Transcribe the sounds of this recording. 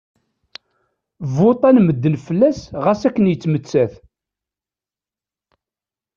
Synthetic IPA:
vot̪ˤænməd̪ːənfəlːæsʁæsækːənjət͡sːmət͡sːæθ

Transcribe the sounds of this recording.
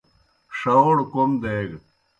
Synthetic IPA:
ʂɐwɽkomd̪eɡ

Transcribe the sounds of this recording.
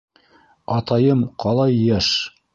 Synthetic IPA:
ɑt̪ɑjɤmqʰɑlˠɑjjæʃ

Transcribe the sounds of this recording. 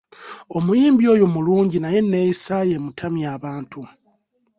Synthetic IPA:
o̞mujiːmbjo̞ːjomuluːɲɟinaje̞nːe̞ːjisajemutʰamjaːβaːntʰu

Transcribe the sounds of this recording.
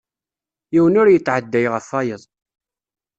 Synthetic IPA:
jiwənʊɾjət͡sːʕəd̪ːæjʁəfːɑjəðˤ

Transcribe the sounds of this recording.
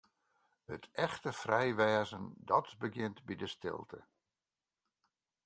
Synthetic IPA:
hətʰɛxtəfrɛjʋɛːzəndɔtbəɡɪntbidəstɪ̰lˠtʰə̰

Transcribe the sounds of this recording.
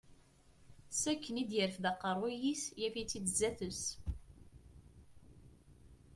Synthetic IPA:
sækːənid̪jəɾfðæqːəɾˤwijisjæfit͡sːid̪zːæθəs

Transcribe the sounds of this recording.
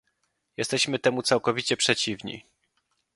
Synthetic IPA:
jɛst̪ɛɕmɘt̪ɛmut̪sawkɔvʲit͡ɕɛpʂɛt͡ɕivɲḭ

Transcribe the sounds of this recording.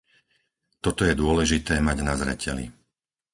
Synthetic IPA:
t̪ɔt̪ɔjɛd̪ʊɔlɛʒit̪ɛːmaɟnazɾɛ̰cʰɛlḭ

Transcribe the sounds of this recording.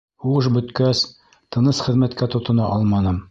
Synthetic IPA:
huɤʃbɵ̆t̪kæs | t̪ɤ̆nɤsχɘ̆ðmæt̪kæt̪ŏt̪ŏnɑʔɑlˠmɑnɤm

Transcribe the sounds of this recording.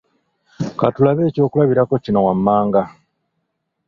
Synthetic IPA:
katulaβe̞ːco̞ːkulaβiɾako̞cino̞wamːaːŋɡa

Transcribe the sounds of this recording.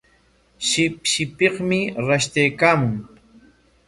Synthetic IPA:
ʃɪpʃɪpeχmɪɾaʃt̪ajkaːmʊŋ

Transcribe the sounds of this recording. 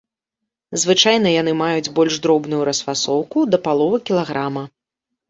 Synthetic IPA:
zvɨt͡ʂajn̪ɐjan̪ɨmajud͡zʲbɔlʲʐd̪ɾɔbnujuɾɐsfasɔwkud̪ɐpalˠɔvɐkʲilˠaɣɾamɐ

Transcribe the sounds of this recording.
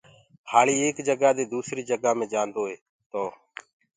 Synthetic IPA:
haːliːeːkd͡ʒəɡaːd̪eːd̪uːsɾiːd͡ʒəɡaːmẽːd͡ʒãːnd̪oːɦeː | t̪oː

